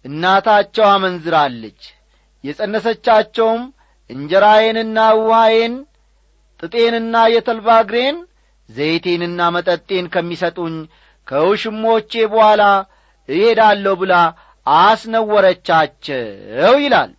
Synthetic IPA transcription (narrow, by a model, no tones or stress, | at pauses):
ʔɨnːat̪ʰat͡ʃːɛwamənzɨɾalːət͡ʃː | jɛsʼənːəsət͡ʃːat͡ʃːɛwm | ʔɨɲd͡ʒɛɾaje̞nɨnːawʊhaje̞n | t̪ʼɨt̪ʼe̞nɨnːajɛt̪ʰəlbaɡɾe̞n | zəjt̪ʰe̞nɨnːamət̪ʼət̪ʼːe̞nkʰəmːisət̪ʼuɲ | kʰəwʃɨmːo̞t͡ʃːebəhʷala | ɨhe̞d̪alːəwbɨla | asnəwːɔɾət͡ʃːat͡ʃːɛwjɪla̰l